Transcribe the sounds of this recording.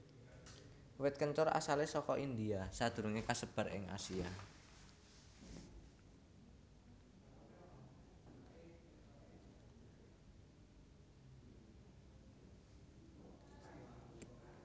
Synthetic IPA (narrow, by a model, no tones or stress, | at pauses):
wɪt̪̚kəɲt͡ʃʊɾa̰salesɔkɔʔind̪iasad̪̥uɾuŋekasəb̥a̤rɪ̰ŋa̰sia